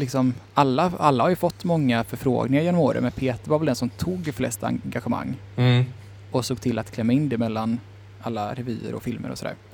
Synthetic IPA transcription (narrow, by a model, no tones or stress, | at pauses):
lɪksɔmalːaalːahaɾjɵfɔt̪ːmɔŋːafœɾfɾo̰ːɡnɪŋaɾjɛnːɔmoːɾə̰mɛnpʰeːt̪əɾvaɾvɛld̪ɛnsɔmt̪ʰuːɡflɛ̰st̪a̰ɡaɧɛma̰ŋː | ɔsoːɡ̚t̪ʰɪlːat̪kʰlɛmːaɪnːd̪ɛmɛlːan | ʔalːaɾɛvy̰ːə̰ɾɔ̰fɪlmʔə̰ɾɔ̰sɔd̪æ̰ːɾ